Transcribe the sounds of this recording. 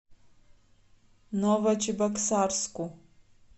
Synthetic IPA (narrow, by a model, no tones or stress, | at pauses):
novɐt͡ʃʰʼɪbɐksarskʷʼu